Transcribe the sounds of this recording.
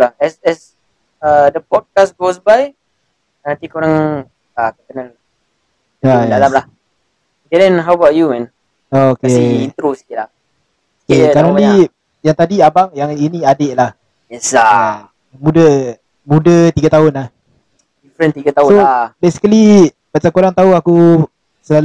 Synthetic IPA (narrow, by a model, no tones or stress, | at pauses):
lahɛsɛs | ədəpɔd̚kasɡosbaj | nãnt̪ikoɾaŋ | akət̪ənəl | adalamlah | ɡɛdɛ̃nɦawəbatjumɛ̃n | ookeint̪ɾosi̥k̪ilah | ookekaɾani | jaŋt̪adiabaŋjaŋinĩadeʔlah | jɛsa | mudə | mũdət̪iɡət̪aɦʊnlah | difɾə̃nt̪iɡat̪asʊoabesi̥kəli | maʔt͡ʃamkoɾaŋt̪auaku | səlal